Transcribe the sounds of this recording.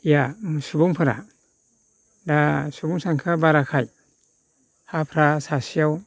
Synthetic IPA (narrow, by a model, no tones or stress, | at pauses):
ijamsubuŋpʰɯɾa̰ | dasubuŋsaŋkʰabaɾakʰaj | hapʰɾasasijaw